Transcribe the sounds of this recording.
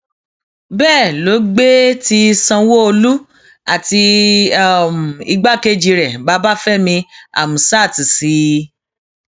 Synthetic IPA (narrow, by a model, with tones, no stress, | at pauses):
bɛː˦˨lo˨˦ɡ͡be˦ti˧sã˧wo˦o˧lu˦ | a˦˨ti˧˨ | m˨i˧ɡ͡ba˦ke˦d͡ʒi˧ɾɛ˨ba˦ba˦fɛ˦mĩ˧a̰˨mũ˨sa˦˨ti˨si˨˦